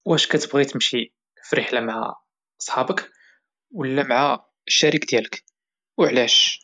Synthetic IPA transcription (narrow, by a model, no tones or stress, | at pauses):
wæʃkæt̪əbɣit̪əmʃi | fəɾiħlæmaʕa̰ | ʔɑsˤħɑbək | wəlːæmaʕa | əʃːæɾikd̪jælək | wəʕlæʃ